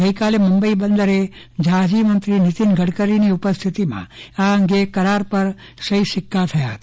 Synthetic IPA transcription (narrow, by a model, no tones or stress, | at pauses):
əjkaleməmbəibənd̪əɾe | d͡ʒʱad͡ʒimənt̪ɾinɪt̪inɡʱəɽkəɾiniupəst̪ʰit̪imã̰aəŋɡekəɾaɾpəɾ | səiʃɪkʰːat̪ʰəjaɦət̪